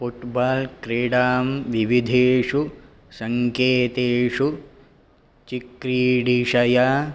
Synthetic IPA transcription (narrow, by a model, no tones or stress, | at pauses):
fuʈbaːlkɾeːɖaːmʋiʋid̪ʱeːʂu | sɐŋkeːt̪eːʂu | t͡ʃikɾiːɖiʂɐja